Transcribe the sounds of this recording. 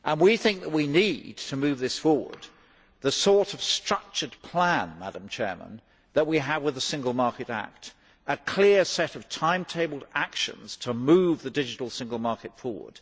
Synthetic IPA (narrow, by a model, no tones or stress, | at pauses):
ʔə̃nwiθɪ̃ŋk̚ðət̚winid̚tʰɨmʉvðɪsfɔɹwə̰˞d̪̚ | ðəsɔɹɾʌv̥stɹ̥ʌk̚t͡ʃə˞dpʰl̥æ̃nmæɾə̃mt͡ʃʰɛ̰ɹmə̰̃n | ðət̚wiəvwɨðəsɪ̃ŋɡəl̩ˠmɑɹkɨɾæ̰k̚t | əkʰl̥ɪɹsɛɾʌv̥tʰãɪ̃mtʰeɪbl̩ˠdækʃɨ̰̃nz̥tʰəmʉvðɨdɪd͡ʒɨɾl̩ˠsɪ̃ŋɡəl̩ˠmɑɹkɨtfɔɹwə̰˞d̥